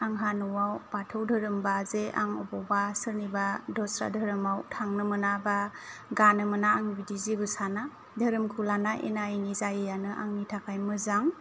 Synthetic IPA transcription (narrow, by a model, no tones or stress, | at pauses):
aŋɦanuwawbatʰɯwdʱɯɾɯmbazea̰ŋɔbɔbasɯɾnibadɔsɾa̰dʱɯɾɯmawtʰaŋnɯmɯnabaɡanɯmɯnaːŋbidizibɯsana | dʱɯɾɯmkʰulanaʔḛnaiŋizajɯjanɯʔa̰ŋnitʰakʰajmɯzaŋ